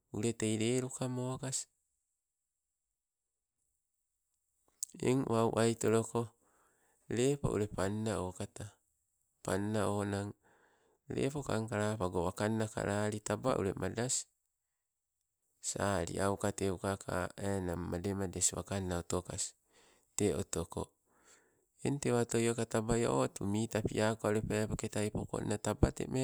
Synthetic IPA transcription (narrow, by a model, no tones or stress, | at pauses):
uɾe̞tejɾe̞ːɾukamokasi̥ | ḛŋwʔawʔajto̞ɾo̞ko̞ | ɾe̞pa̰ṵɾe̞panːaokata | panːaonaŋ | ɾe̞̰pokaŋkaɾapaɡoβakanːaka̰ɾʔaɾitaba̰ʔṵɾe̞̰mʔadasi̥ | saɾḭʔawkateukakʰa̰enamːademadeswa̰kanːaotokasi̥ | teo̰toko̞̰ | ḛnte̞βato̞jokatabajo̰ʔotumitapḭʔakoauɾepaapoketajpoko̰ḭnatabatḛme